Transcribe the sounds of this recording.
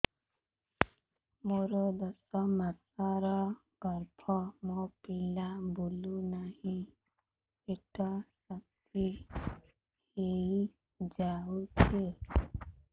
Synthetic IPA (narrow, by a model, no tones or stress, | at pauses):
moɾɔd̪ɔsɔmasaɾɔ | ɡ̥ɔɾpʰɔmopilabolunahĩ | eʈɔsat̪ʰ | i | hei | d͡ʒawtʰie